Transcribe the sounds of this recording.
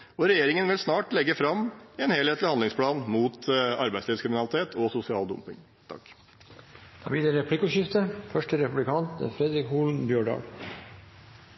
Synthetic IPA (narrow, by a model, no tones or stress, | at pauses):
ɔɾɛjeːɾɪŋənʋɪlsnɑːʈlɛɡːəfɾɑmɛnheːlheːt̪lɪhɑnd̪ɪŋspʰlɑːnmuːt̪ɑɾbæɪd̪sliːʋskɾɪmɪnɑlɪt̪ʰeːt̪ʰɔsʊsɪɑːld̪ʊ̰mpɪŋ | t̪ʰɑ̰k | d̪ʰɑ̰ʋiːd̪əɾɛpʰlɪkːʊɕɪft̪əfœʂʈəɾɛpʉblɪkʰɑnt̪fɾɛd̪ɾɪkhuːlnbjøːɖɑ̰ːɡ